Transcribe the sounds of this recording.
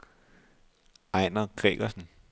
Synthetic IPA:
ɑɪnɐɡ̥ʁɛ̰ːɡ̥ɐsn̩

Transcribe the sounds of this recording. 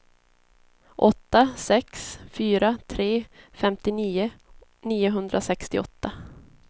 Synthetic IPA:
ʔɔt̪ːasɛksfyːɾat̪ʰɾeːfɛmt̪ɪniːʊ | niːʊɦɵnd̪ɾʔasɛkst̪ɪɔt̪ːa

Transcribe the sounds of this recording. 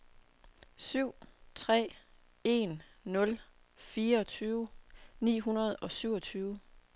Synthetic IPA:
syʊ̰t͡sʰʁɛ̰ː | e̝nːɔ̽l | fiːɐɒ̽t͡sʰyːʊnḭːɦunɐð̞ˠɒ̽syʊ̰ɒ̽t͡sʰyːʊ

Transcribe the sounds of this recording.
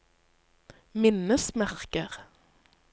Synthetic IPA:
mɪnəsmæʁkəʁ

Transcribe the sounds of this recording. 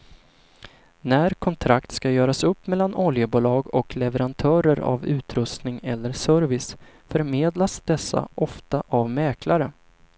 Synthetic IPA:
næːɾkʰɔnt̪ʰɾakt̪skajœːɾasɵpːmɛlːanɔljəbuːlɑːɡɔklɛvəɾant̪ʰœːɾəɾa̰vʉ̟ːt̪ɾɵst̪nɪŋɛlːəɾʂœɾvɪs | fœɾmeːd̪lasd̪ɛsːa̰ʔɔft̪aʔavmɛːkʰlaɾə

